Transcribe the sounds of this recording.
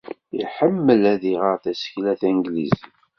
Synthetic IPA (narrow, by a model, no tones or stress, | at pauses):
iħəmːəlæðiʁəʁθæsə̥çlæθæŋɡlḭz